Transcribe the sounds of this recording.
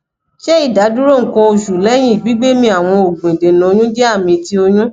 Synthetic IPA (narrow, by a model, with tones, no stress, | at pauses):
ʃɛ˦i˦˨da˨˦du˦ɾo˦˨kɔ̃˧o˧ʃu˨lɛ˨˦j̃ĩ˦i˨ɡ͡bi˨˦ɡ͡be˦mĩ˧a˨w̃ɔ̃˧o˨ɡ͡bũ˨i˨dẽ˨nɔ̃˨o˧jũ˦d͡ʒɛ˦a˦˨mĩ˧ti˦o˧jũ˦